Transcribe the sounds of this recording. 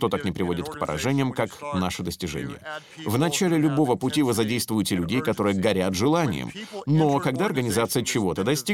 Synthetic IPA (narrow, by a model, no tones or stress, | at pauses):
ʂt̪o̞t̪aknʲɪpɾʲɪvo̞dʲɪt̪kpə̰ɾʔɐ̰ʐɛnʲɪjəmkaknaʂəd̪əsʲtʲɪʐɛ̰nʲɪ̰jə̰ | vnɐt͡ɕælʲɪlʲʊbo̞vəpʊtʲivɨzɐdʲejst̪vʊjɪtʲɪlʲʉdʲejkɐt̪o̞ɾɨjəɡɐɾʲat̪ʐɨlˠanʲɪ̰jə̰mnokɐɡd̪aɐrɡənʲɪzat̪sɨjət͡ɕɪvo̞t̪əd̪ɐsʲtʲi